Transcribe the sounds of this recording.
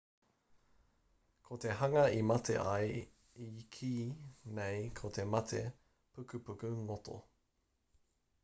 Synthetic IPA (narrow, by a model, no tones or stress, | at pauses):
kʰot̪e̞ɦɐŋɐimɐtʰḛʔɐj | ikʰiːnejkʰot̪ʰemɐt̪ʰe | pʰʉkʉpukʉŋot̪o̰